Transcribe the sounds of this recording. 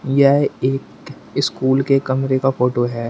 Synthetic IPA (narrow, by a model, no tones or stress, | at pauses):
jɛɦeːk | ɪskuːlkekɐmɾekafoːʈoɦɛː